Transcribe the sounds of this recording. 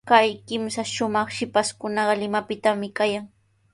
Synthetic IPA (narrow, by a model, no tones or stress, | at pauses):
kajkɪmsaʃʊmɑχʃɪpaskʊnɑɢɑlɪmapɪt̪amɪkajaŋ